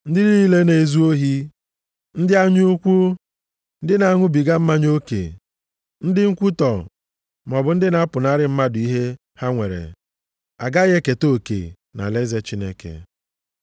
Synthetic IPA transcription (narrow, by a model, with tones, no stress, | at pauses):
n̩˦dɪ˦ɾi˦i˦le˦ne˨e˨zu˦o˦ɦi˦ | n̩˦dɪ˦a˦ɲu˦kʷu˦ | n̩˦dɪ˦na˨a˦ŋʷʊ˦bi˨ɡa˦m̩˦ma˦ɲo˦kḛ˨ | n̩˦dɪ˦ŋ̩˦kʷu˦tɔ˨ | m˨ɔ˨bʊ˨n̩˦dɪ˦na˨˦pʊ˨na˦ɾɪ˦m̩˦ma˦dʊ˨i˦ɦe˦ | ha˦ŋʷḛ˨ɾḛ˨ | a̰˨ɡa˦ɣe˦ke˨to˦˨kḛ˨ | na̰˨le˦ze˦t͡ʃi˦ne˦kḛ˨